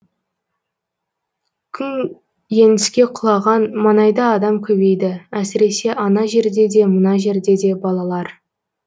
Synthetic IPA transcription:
kʲʰʏn | je̞nd̪ɪskʲe̞qʰʊlˠɑʁɑnmɑnɑjd̪ɑːd̪ɑmkʲʰɵbe̞jd̪ɪæsɪɾe̞se̞ʔɑnɑʒe̞ɾd̪e̞d̪e̞mənɑʒe̞ɾd̪e̞d̪e̞bɑlˠɑlˠɑɾ

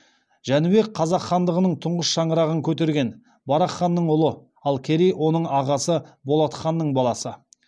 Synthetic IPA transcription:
ʒ̥ænɪbe̞k̚qʰɑzɑqːɑnd̪əʁənəɴt̪ʰʊɴʁəsʃɑɴəɾɑʁəŋkʲʰɵt̪̬e̞ɾɡʲe̞n | bɑɾɑχːɑnːəɴʊlˠə | ɑlˠkʲʰe̞ɾijwʔo̞nəɴɑʁɑsəbo̞lˠɑt̪χɑnːəɴbɑlˠɑsə

